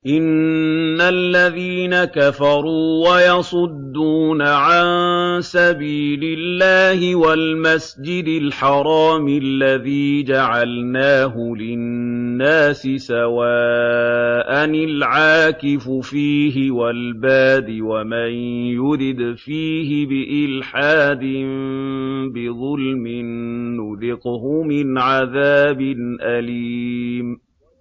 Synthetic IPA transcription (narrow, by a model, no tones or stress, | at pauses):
ʔɪnː | alːaðiːnakafɑɾˤuːwajɑsˤʊd̪ːuːnaʕansabiːlɪlːaːhɪwalmasd͡ʒɪd̪ɪlħɑɾˤɑːmɪlːaðiːd͡ʒaʕalnaːɦʊlɪnːaːsɪsawaː | ʔanɪlʕaːkɪfʊfiːɦɪwalbaːd̪ɪwamanjʊɾɪd̪fiːɦɪbɪʔɪlħaːd̪ɪm | bɪðˤʊlmɪnːʊðɪqhʊmɪnʕaðaːbɪnʔaliːm